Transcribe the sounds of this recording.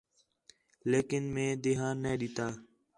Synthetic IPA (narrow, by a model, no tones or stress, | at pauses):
leːkɪnmẽːd̪eːɦãːnːẽːɗiːt̪aː